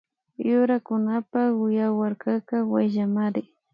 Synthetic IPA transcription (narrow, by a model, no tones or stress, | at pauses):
jʊɾakʊnapaʊjawaɾkakawajʒamaɾɪ